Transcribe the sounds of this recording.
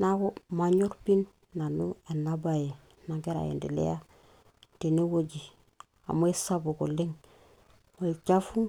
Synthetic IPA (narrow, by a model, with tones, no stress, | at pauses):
na˦ko˦ma˦ɲo˦ɾpi˦nː | a˨nu˦e˨na˦ba˨je˨ | na˨ɡe˦ɾa̰˨jḛ˨ndḭ˨lḛ˦ja˦ | te˨ne˦wo˦ɟi˨ | a̰˨mo˦e˦sa˦bu˨ku˨li˦ŋ | mo˨i˨t͡ʃa˦fu˦